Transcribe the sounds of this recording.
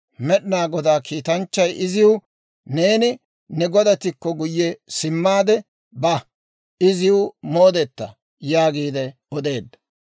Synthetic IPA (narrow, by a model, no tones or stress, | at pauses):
mɛɗɪnaːɡɔd̪aːkʰiːt̪ɐnt͡ʃːɐjʔɪzɪʊ | ne̞ːnɪ | nɛɡɔd̪ɐt̪ːɪkːɔɡʊjːɛsɪmːaːd̪ɛ | bɐ | ɪzɪjʊmo̞ːd̪ɛt̪ːɐ̰ | jaːɡiːd̪ɛ | ɔd̪e̞ːd̪ːɐ̥